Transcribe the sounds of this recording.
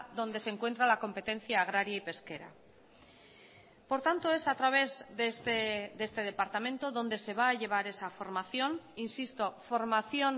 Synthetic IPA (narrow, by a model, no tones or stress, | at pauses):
ðo̞nd̪e̞seŋkwe̞nt̪̬ɾalako̞mpe̞t̪ẽ̞n̟θjaːɣ̞ɾaɾjaipe̞ske̞ɾa̰ | po̞ɾt̪ant̪o̞e̞sat̪ɾaβ̞e̞zðest̪eðe̞st̪e̞ð̞e̞paɾt̪amẽ̞nt̪oðõ̞nd̪e̞se̞β̞aːʎe̞β̞aɾe̞safo̞ɾmaθjo̞ninsist̪o̞fo̞ɾmaθjo̞n